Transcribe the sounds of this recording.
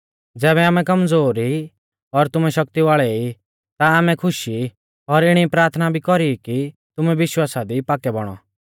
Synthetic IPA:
d͡zɛːβɛaːmɛkɐmd͡zoːɾi | ɔɾt̪ʊmɛʃɐkt̪iʋaːɭɛi | t̪aːmɛkʰʊʃi | ɔɾɪɽ̃ipɾaːɾt̪ʰnabʱikɔɾikit̪ʊmɛʋɪʃwaːsad̪ipaːkɛbɔɽ̃ɔ̰

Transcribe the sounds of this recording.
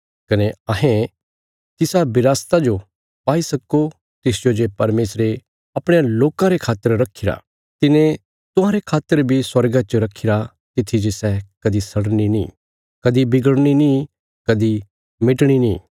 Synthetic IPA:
kɐneɐɦẽ | t̪ɪsabɪɾaːst̪ad͡ʒo | paːisɐkːo | t̪ɪsd͡ʒod͡ʒepɐɾmeːsɾe | ɐpɽ̃ejaloːkãɾekʰaːt̪ːəɾɾɐkʰːɪɾa̰ | t̪ɪnẽ | t̪ʊɦãɾekʰaːt̪ːəɾbʱiswɐɾɡãt͡ʃəɾɐkʰːɪɾa | t̪ɪt̪ʰːid͡ʒesɛkɐd̪isɐɽninḭ̃ː | kɐd̪ibɪɡəɽɽ̃inĩ | kɐd̪i | mɪʈɽ̃inĩː

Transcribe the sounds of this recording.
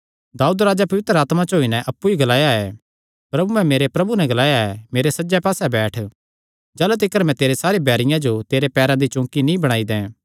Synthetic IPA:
d̪aːuːd̪ɾaːd͡ʒapɐʋɪt̪ɾəaːt̪mat͡ʃoːinɛʔɐpːuiɡɐlaːjaɛ | pɾɐbumɛ̃meːɾepɾɐbunɛ̃ɡɐlaːjaɛmeːɾesɐd͡ʒɛpaːsɛbɛːʈʰ | d͡ʒɐːlut̪ɪkːəɾmɛ̃t̪eːɾesaːɾebʱɛːɾɪjãd͡ʒot̪eːɾepɛːɾãd̪it͡ʃʊ̃ːkinĩbɐɽ̃aːid̪ɛ̃

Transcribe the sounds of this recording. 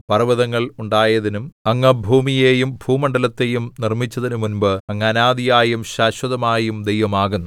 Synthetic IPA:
pɐrɐʋɐðɐŋːɐɭuɳɖaːjɐðinumɐŋːɐbʱuːmijeːjumbʱuːmɐɳɖɐlɐt̪ːe̞jumnirmit͡ɕːɐðinumunbɨɐŋːɐnaːd̪ijaːjumɕaːɕwɐðɐmaːjumd̪ejʋɐmaːɣunːu

